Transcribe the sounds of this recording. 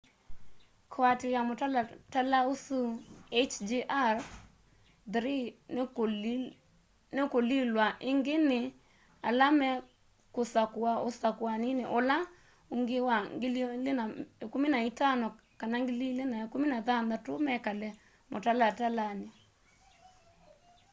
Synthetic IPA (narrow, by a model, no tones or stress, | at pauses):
kʰoatɪɾamʊtalatalaosuet͡ʃd͡ʒiʔar | dɾi | nɪkolilwaʔɪŋɡɪnɪ | alamɛ | kosakwaosakwanɪnɪʔola | oŋɡɪwaŋɡɪllenaekuminaitanɔ | kanaŋɡɪlilenaekuminaðand̪atʊmɛkalɛ | mʔotalatalanɪ